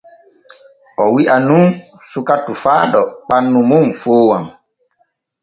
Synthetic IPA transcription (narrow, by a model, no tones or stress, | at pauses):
ʔɔwiʔanun | sukatufaːɗɔk͡panːumumfoːwam